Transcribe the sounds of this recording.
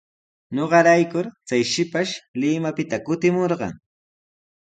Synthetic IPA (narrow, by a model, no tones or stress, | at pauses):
ɲoɢɑɾajkʊɾt͡sajʃɪpaʃlɪmapɪt̪akʊt̪ɪmoɾɢɑ̰ŋ